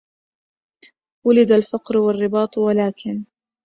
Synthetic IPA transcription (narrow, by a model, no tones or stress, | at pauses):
wʊlɪd̪alfɑqɾwarːɪbɑːt̪ˤwalaːkɪn